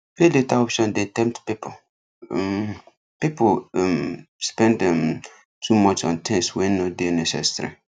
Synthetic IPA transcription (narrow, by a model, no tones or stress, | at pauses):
feletaɔpʃɔ̃ndeatɛ̃mptpipʰo | m | pipomspɛ̃ndɛm | tʰumɔt͡ʃɔ̰̃ntʰɛ̃nswɛ̃nnːodenɛsɛ̰sɹḭ